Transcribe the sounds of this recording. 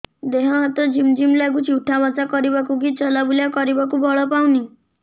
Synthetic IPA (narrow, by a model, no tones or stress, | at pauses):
d̪eɦɔɦat̪ɔd͡ʒimd͡ʒimlaɡut͡ʃiwʈʰamɔt͡sakɔɾibakuɡit͡ʃɔlabuljakɔɾibak̬ubɔɭɔpawni